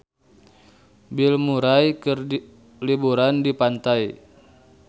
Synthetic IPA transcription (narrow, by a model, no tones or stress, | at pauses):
bilmuɾajkɨr | libuɾandipant̪aj